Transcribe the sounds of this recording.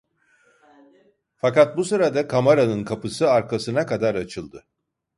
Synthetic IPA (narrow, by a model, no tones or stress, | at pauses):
fakat̪̚busɯɾad̪akʰamaɾanɯnkʰapɯsɯaɾkʰasɯnakad̪aɾat͡ʃʰɯlˠd̪ɯ